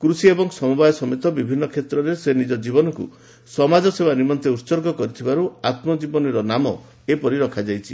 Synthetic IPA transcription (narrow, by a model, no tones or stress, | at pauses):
kɾusiebɔŋsɔmubajɔsɔmet̪ɔbibʱinːɔkʰet̪ɾɔɾesenid͡ʒɔd͡ʒibɔnɔkṵ | sɔmad͡ʒɔsebanimɔnt̪eutsɔɾɡɔkɔɾit̪ʰibaɾuat̪mɔd͡ʒibɔniɾɔnamɔ | epɔɾiɾɔkʰad͡ʒajt͡ʃʰi